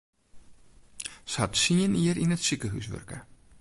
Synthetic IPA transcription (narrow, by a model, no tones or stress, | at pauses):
sɦɑtsiəniərinətsikəɦy̰sʋø̰rkə